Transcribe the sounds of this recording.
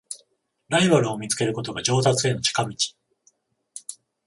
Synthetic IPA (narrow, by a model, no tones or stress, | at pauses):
ɾaibaɾɯ̟o̞mʲit͡sɨ̥ke̞ɾɯ̟ko̞t̪o̞ɡaʑo̞ːt̪at͡sɨe̞no̞t͡ɕi̥kamʲit͡ɕi̥